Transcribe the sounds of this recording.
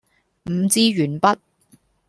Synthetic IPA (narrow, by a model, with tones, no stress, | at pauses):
m̩˨˧t͡siː˧ɥyː˨˩npɐ˦˥t̚